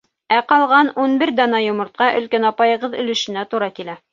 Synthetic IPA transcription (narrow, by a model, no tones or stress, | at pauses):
æqɑlˠʁɑnunbɘɾd̪ɑnɑjŏmɤ̆ɾt̪̚qɑʔɵ̆lkænɑpɑjɤ̆ʁɤðɵ̆lɵ̆ʃɘ̆næt̪uɾɑkilæ